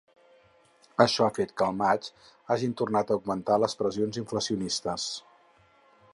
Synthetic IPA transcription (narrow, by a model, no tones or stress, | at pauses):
əʃɔafet̪kəlˠmat͡ʃ | aʒint̪urnat̪əuɡmənt̪aləspɾəzionziɱfləsiunist̪əs